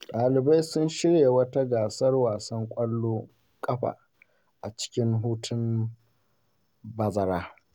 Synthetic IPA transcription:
ɗaː˨lɪ˨ba˦jsʊ˦nʃɪ˦ɽje˨wɐ˦ta˦ɡaː˨sɐ˦rwaː˨sɐ˦ŋkʷʼɐ˦lːoː˦ | kʼɐ˦ɸa̰ː˨ | ʔa˨t͡ʃɪ̥˦kʲɪ˦ŋɦuː˦tʰʊ˦m | bɐ˨zɐ˨ɾaː˦

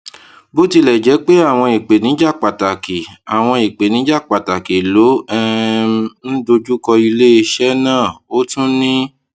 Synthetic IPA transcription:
bo˦ti˧lɛ˨d͡ʒɛ˨˦k͡pe˦a˦˨w̃ɔ̃˧i˨k͡pe˨nĩ˨˦d͡ʒa˦˨k͡pa˨ta˨ki˨a˨w̃ɔ̃˧i˨k͡pe˨nĩ˨˦d͡ʒa˦˨k͡pa˨ta˨ki˨lo˨˦ɛ˦ | n̩˦do˧d͡ʒu˦kɔ˧i˧le˦˧ʃɛ˦nãː˦˨o˦tũ˦nĩ˦

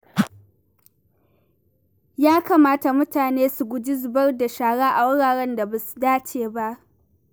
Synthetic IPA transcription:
jaː˦kaː˨maː˦ta˨mʊ˦taː˨neː˦su˨ɡʷʊ˨d͡ʒi˦zʊ˨bɐ˦rda˨ʃaː˨ɽaː˦ʔa˨wʊ˦ɽaː˨ɽɛ˦nda˨ba˨su̥˨daː˦t͡ʃeː˨ba˦ʔ

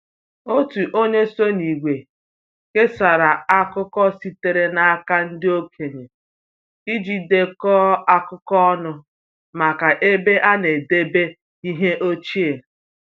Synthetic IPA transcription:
o˦tu˨ʔo˦ɲe˦so˦ni˨ɡʷe˨ | ke˦sa˨ɾa˨a˦kʊ˦kɔ˦si˦te˨ɾe˨na˨a˦ka˦n̩˦dɪ˦o˦kʰe˨ɲe˨ | i˦d͡ʒi˨de˨kɔ˦a˦kʊ˦kɔ˦ɔ˦nʊ˦ | ma˨ka˨ʔe˦be˦ʔa˦ne˨de˦be˦ | i˦ɦe˦ʔo˦t͡ʃi˦e˨

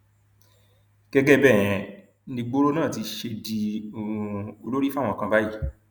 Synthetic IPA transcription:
ɡ̥ɛ˦ɡɛ˦bɛ˦˨j̃ɛ̃˨˦ | nĩ˧ɡ͡bo˦ɾo˦nãː˦˨ti˧ʃe˧di˧˨˧ | o˧lo˦ɾi˦fa˦˨wɔ̃˧˨kã˧ba˦ji˦˨

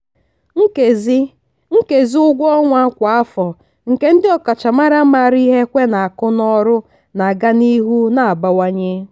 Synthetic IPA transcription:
ŋ̩˦ke˨zi˦ | ŋ̩˦ke˨zi˦ʊ˦ɡʷɔ˦ŋʷa˦kʷa˨a˦fɔ˨ | ŋ̩˨ke˦n̩˦dɪ˦ɔ˨ka˨t͡ʃa˨ma˦ɾa˦ma˨ɾi˦ɦe˦kʷe˦na˨a˨kʊ˦nɔ˦ɾʊ˦ | na˨ɡa˦ni˦ɦu˦na˨a˨ba˨wa˦ɲe˦

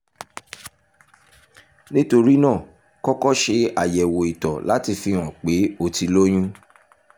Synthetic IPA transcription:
nĩ˦to˧ɾi˦nãː˦˨ | kɔ˦kɔ˦ʃe˧a˨jɛ˨wo˨i˨tɔ˨la˨˦ti˧fi˧w̃ɔ̃˨k͡pe˨˦o˧ti˧lo˦j̃ũ˦

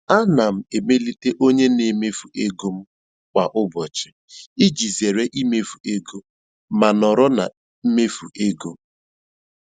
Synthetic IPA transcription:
a˦na˨m̩˨e˨me˦li˦te˦ʔo˦ɲe˦ne˨me˦fu˨e˦ɡo˦m̩˦ | kʷa˨ʔʊ˦bɔ˨t͡ʃɪ̥˨ | i˦d͡ʒi˨ze˨ɾe˦ʔi˦me˦fu˨e˦ɡo˦ | ma˨nɔ˨ɾɔ˦na̰˨˦ | me˦fu˨ʔe˦ɡo˦

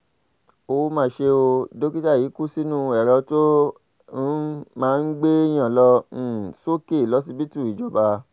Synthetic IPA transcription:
o˧˦mãː˧ʃe˧o˧do˦ki˦ta˦˨jiː˨˦ku˦si˦nũ˦ɛ˨ɾɛ˧to˦ | mãː˧˦˧n̩˦ɡ͡be˦j̃ã˨lɔ̃˧˨so˦ke˦˨lɔ˨˦s̬i˧bi˦tu˦˨i˨d͡ʒɔ˨ba˧

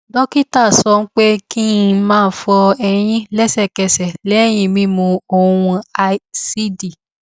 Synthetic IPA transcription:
dɔ˦ki˦ta˦˨sɔ˧˦n̩˦k͡pe˦ki˦mãː˦˨n̩˦fɔ˧ɛ˧j̃ĩ˦lɛ˦sɛ˦˨kɛ˧˨sɛ˨lɛ˨˦ɛ˦˨j̃ĩ˧mĩ˦mõ˧o˨wũ˧a˧˦si˦di˨

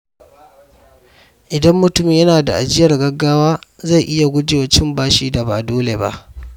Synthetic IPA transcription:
ʔɪ˨dɐ˦mːʊ˦tʊ˦mɪ˦jɐ˦naː˨da˨ʔa˨d͡ʒɪ˦jɐ˨rɡɐ˦ɡːaː˦waː˦za˦˨jʔɪ˦ja˨ɡʷʊ˦d͡ʒɪ˨wɐ˨t͡ʃɪ˦mbaː˦ʃiː˦da˨ba̰˨doː˦le˨ba̰˦ʔ

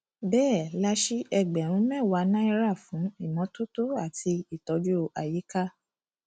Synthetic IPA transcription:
bɛː˦˨la˧ʃi˦ʔɛ˧˨ɡ͡bɛ˨ɾ̃ũ˨˦mɛ̃˦˨wa˨˧˦nã˦i˧ɾa˦˨fũ˨˦i˦˨mɔ̃˨˦to˦to˦a˦˨ti˧i˦˨tɔ˨˧d͡ʒu˦˧˨ʔa˨ji˨˦ka˦

